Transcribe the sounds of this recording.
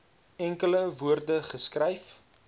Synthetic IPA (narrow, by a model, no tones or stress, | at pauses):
ɛŋkələvuərdəχəskrɛjf